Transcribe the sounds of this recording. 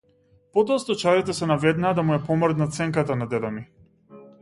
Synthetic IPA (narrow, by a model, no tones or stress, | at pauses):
pɔd̪ɔst̪ɔt͡ʃaɾit̪ɛsɛnavɛd̪naːd̪amujɛpɔmrd̪nat̪sɛŋkat̪anad̪ɛd̪ami